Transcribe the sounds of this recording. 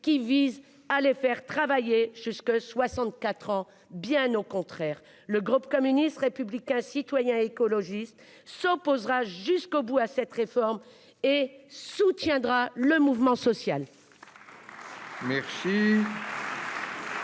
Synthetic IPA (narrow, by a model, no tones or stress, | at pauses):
kʲiviz | alefɛʁt̪χavajeʒyskoswasɑ̃t̪̚kat̪χɑ̃ | bjɛ̃nokɔ̃t̪χɛʁ | ləɡʁupkɔmynist̪ʁepyblikʲɛ̃sit̪wajɛ̃ekɔlɔʒist̪ | sɔpozʁaʒyskobuasɛt̪ʁefɔʁm | esut̪jɛ̃d̪ʁaləmuvmɑ̃sɔsjal | mɛʁsi